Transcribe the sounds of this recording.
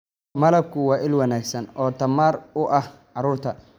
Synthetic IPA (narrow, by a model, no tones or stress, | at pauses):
mɐlɐb̚kʰʊwɑːʔɪlwɑnaːɡsɐnɔːt̪ʰɐmaːrʊʔɐh | ʕɑɾuːrt̪ʰɐ